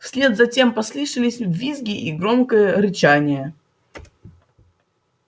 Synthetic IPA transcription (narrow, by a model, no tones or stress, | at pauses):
fsʲlʲe̞d̪zɐtʲe̞mpɐslˠɨʂɨlʲɪsʲvʲizɡʲɪʔiɡɾomkəjəɾɨt͡ɕanʲɪjə